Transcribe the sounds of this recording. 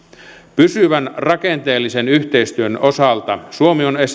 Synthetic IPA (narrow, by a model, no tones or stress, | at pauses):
pysyʋænrɑkent̪e̞ːlːisenyht̪eist̪yønosɑlt̪ɑsuomiones